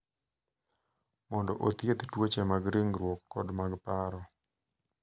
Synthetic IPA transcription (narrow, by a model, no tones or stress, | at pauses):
mɔndɔʔot̪jet̪twot͡ʃɛmaɡɾiŋɾwokːɔdmaɡpaɾɔ